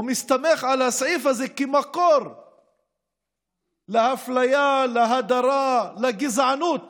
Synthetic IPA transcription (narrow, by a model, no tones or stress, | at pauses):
mist̪ameχʕalhasʕifhazekemakoɾ | lehaflajalaɦad̪aɾalaɡizʕanut̪